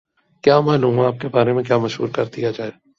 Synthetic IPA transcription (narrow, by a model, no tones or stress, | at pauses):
kjaːmaːluːmaːp̚kebaːɾemẽk̬jaːmɐʃɦṵːɾkɐɾd̪ijad͡ʒaːe